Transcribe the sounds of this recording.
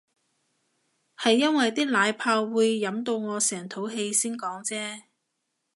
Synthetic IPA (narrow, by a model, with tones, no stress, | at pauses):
hɐ˨jːɐ˥nwɐ˨jt̪iː˥k̚laː˨˧jpʰaː˧wːuː˨˧jːɐ˨˥mt̪o˧wŋɔː˨˧sɛː˨˩ŋt̪ʰo˨˥wɦe˧jsiː˥nkɔː˨˥ŋt͡sɛː˥